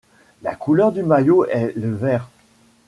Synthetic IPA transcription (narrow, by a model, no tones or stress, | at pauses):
la̰kʰulœʁd̪ymajoɛləvɛːʁ